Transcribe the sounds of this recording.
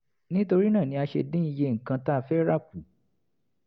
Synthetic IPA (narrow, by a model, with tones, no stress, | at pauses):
nĩ˦to˧ɾi˦nã˦˨nĩ˧˦a˧ʃḛ˧dĩ˦i˧je˧ŋ̩˨kã˧ta˦˧˨fɛ˦ɾa˦˨k̚u˨˦